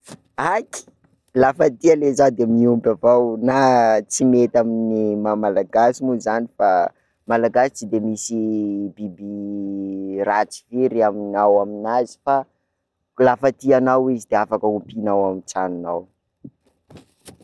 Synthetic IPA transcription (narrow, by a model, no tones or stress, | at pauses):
aki̥ | lafət̪ialezad̪emiumbʲavawnat͡simet̪aminimamalaɡasimuzanifa | malaɡasi̥t͡sid̪emisibibi | rat͡si̥viɾiaminawaminazi̥fa | lafat̪ianawizid̪eafakəumpinawamit͡sanunaw